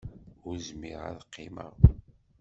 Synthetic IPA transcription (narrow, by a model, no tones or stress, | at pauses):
ʊɾzmiʁæ̰ðqːimə̰ʁ